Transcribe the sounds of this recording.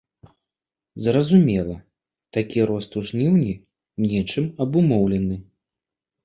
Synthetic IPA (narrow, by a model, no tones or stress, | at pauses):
zrɐzumʲɛlˠɐ | t̪akʲiɾɔst̪uʐnʲiwnʲi | nʲɛt͡ʂɨmɐbumɔwlʲɛnɨ